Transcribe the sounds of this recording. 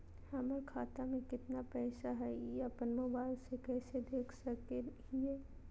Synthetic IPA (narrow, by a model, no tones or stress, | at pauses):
hɛːməɾkʰaːt̪amẽkɪt̪napɛːsaɦɛapənmoːbaːɪlsekɛːsed̪eːkʰsɐkeɦiɛː